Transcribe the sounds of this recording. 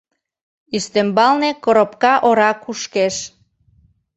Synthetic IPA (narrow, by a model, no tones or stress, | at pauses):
yʃt̪embɑlnekoɾopkɑʔoɾɑkuʃkeʃ